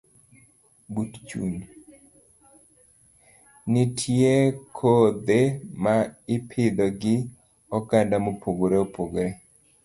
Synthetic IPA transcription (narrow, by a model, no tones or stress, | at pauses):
butt͡ʃṵn | nɪtʰjekʰod̪emaɪpʰɪd̪ɔɡɪ | ɔkandamopʰoɡoɾeopoɡoɾe